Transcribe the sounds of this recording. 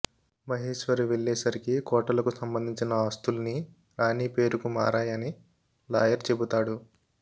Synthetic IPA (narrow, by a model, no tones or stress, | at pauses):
mɐɦeːʃʋɐɾuʋeɭːɛːsɐɾikikɔːʈɐlɐkusɐmbɐnd̪ʱiɲt͡ʃinɐaːst̪ulni | ɾaːniːpe̞ːɾukuma̰ːɾaːjɐni | laːjɐɾt͡ʃe̞but̪aːɽu